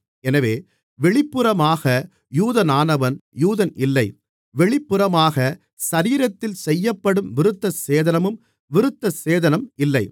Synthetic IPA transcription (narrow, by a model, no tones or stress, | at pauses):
ɛnɐʋeː | ʋɛɭɪpːɯɾɐmaːɣɐ | juːðɐnaːnɐʋɐnjuːðɐnɪlːɐɪ | ʋɛɭɪpːɯɾɐmaːɣɐ | sɐɾiːɾɐt̪ːɪlsɛjːɐpːɐɽɯmʋɪɾɯt̪ːɐseːðɐnɐmɯm | ʋɪɾɯt̪ːɐseːðɐnɐmɪlːɐɪ